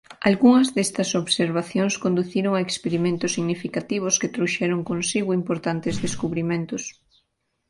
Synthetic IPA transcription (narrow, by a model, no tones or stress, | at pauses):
alɣuŋɐzðɛst̪ɐsoβseɾβaθjoŋskõnd̪uθiɾoŋaekspeɾimẽnt̪ʊsiɣnifikat̪iβ̞ʊsket̪ɾoʃɛɾoŋkonsiɣ̞oimpoɾt̪ant̪ɪzðeskuβɾimẽnt̪ʊs